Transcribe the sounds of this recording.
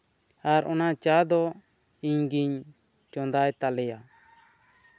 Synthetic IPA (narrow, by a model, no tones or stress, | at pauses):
aɾɔnat͡ʃad̪ɔ | iɲɡiɲ | t͡ʃɔnd̪ajt̪alɛja